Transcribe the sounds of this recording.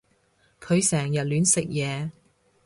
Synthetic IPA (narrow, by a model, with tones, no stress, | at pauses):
kʰɵ˨˧ɥsɛː˨˩ŋjɐ˨t̚lyː˨˥nsɪ˨k̚jɛː˨˧